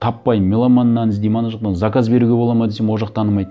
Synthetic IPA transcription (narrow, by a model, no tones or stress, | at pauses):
t̪ʰɑpːɑjmʲelˠamɑnːɑnɪzd̪emɑnɑʒəqd̪ɑnzɑkɑzbe̞ɾuɡʲe̞bo̞lˠɑmɑd̪esemwoʒɑqt̪ʰɑnəmɑjd̪ə